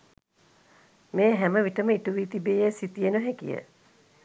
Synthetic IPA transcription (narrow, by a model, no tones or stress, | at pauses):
meːɦæməʋiʈəməiʈuʋiːt̪ibeːjesit̪ijenuɦækḭjə̰